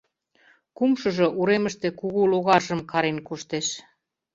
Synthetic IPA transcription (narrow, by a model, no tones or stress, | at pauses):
kumʃɤ̆ʒɤ̆ʔuɾemə̆ʃt̪ĕkuɣuloɣɑrʒə̆mkɑɾenkoʃt̪eʃ